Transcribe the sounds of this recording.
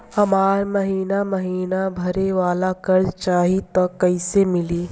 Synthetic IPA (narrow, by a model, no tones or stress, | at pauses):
hɐmaːɾməɦiːnaməɦiːnabʱɐɾeʋaːlakɐɾd͡ʒt͡ʃaːɦit̪ɐkːəɪsemɪliː